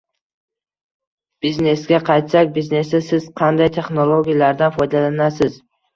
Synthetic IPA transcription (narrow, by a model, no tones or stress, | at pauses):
b̥izne̞sɡʲaqʰɑjt̪sakʲbizne̞sɪsɪz̥qʰɑnd̪ajt̪ʰe̞χnolˠoɡʲijalaɾd̪anfɒjd̪alanasɪz̥